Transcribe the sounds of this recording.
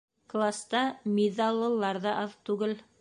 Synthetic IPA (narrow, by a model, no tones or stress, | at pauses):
klˠast̪ɑmʲiðɑlˠːɤ̆lˠːɑɾðɑʔɑðt̪ʉɡɘl